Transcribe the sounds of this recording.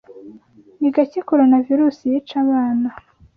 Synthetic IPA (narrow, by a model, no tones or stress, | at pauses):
niɡacikoɾonaviɾuːsijit͡ʃaβaːna